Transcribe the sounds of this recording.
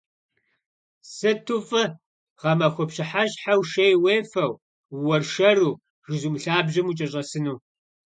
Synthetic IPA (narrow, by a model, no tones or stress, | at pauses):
sɨtʰufʼɨ | ʁɐmɐxʷɔpɕɪħaɕħawʃejweːfɐw | wɔrʃɐruː | ʐɨzumɬaːbʑɪmut͡ʃʼɐɕʼɐsɨnuː